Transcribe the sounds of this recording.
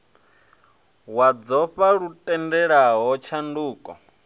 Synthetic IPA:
wad͡zɔɸaɺutʼɛndɛɺaɦɔt͡ʃʰanduːkʼɔ̰

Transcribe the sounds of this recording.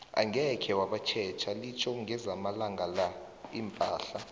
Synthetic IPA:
a̰ŋɡʱɛkʰɛwaɓat͡ʃʰɛːt͡ʃʰalit͡ʃʰɔŋʱɛzamalaŋɡʱala | impʼaːɬa

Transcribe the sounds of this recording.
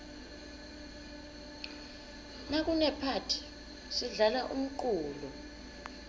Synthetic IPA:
nak̬unɛpʰatʰi̥ | siɮalaʔṵm̩ǃuːlu

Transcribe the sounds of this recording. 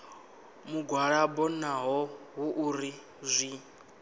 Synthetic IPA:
muɡʱwaɺabɔnaɦɔɦuʔuɾi | zʷi

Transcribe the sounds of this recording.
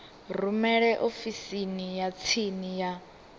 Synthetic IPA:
rumɛɺɛʔofisinijat͡sʰinija

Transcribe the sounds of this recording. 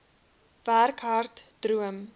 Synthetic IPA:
værkɦɐrtd̥ruəm

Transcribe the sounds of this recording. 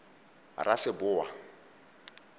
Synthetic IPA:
ra̰sɪbʊːwa̰

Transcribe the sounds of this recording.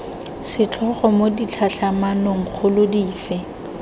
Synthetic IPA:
sɪt͡ɬʰɔχɔmodit͡ɬʰaɬamanɔŋ̩k͡xʰʊlʊdiːfɛ

